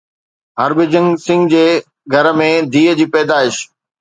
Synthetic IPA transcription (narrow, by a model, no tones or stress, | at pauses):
ɦɐɾbɪd͡ʑə̃ŋɡsɪ̃ŋɡd͡ʑeː | ɡʱɐɾmẽd̪ʱiːəd͡ʑiːpɛːd̪aːɪʃ